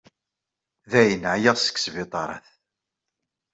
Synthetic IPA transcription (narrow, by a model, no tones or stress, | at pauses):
ðæjənʕjæʁsə̥kːsvɪt̪ˤɑɾˤɑ̰θ